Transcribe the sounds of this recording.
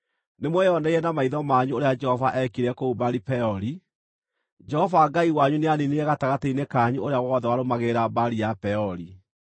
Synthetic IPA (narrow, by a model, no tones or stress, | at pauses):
nemwɛjɔnɛiɛnamaiðɔmaɲuoɾead͡ʒɛhɔvaʔɛkiɾɛkoubaɾipɛɔɾi | d͡ʒɛhɔvaɡaiwaɲuneanineɛɣataɣateinekaːɲuoɾeaɣwɔðɛwaɾomaɣeɾabaɾiapɛɔɾi